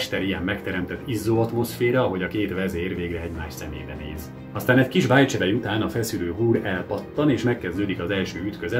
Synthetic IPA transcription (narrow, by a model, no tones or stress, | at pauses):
ʃt̪ɛɾijɛmːɛkt̪ɛɾɛmt̪ɛt̪ːizːoɒt̪mo̞sfeːɾɒɒɦo̞ɟɒkeːt̪vɛzeːrveːɡrɛɛɟmaːʃsɛmḛːjɾɛnḛːz | ɒst̪aːnɛɟkiʒbaːjt͡ʃɛd̪ɛjut̪aːnɒfɛsyløːɦuːɾɛlpɒt̪ːɒneːʃmɛkːɛzd̪øːd̪ikɒzɛlʃøːyt̪køzɛ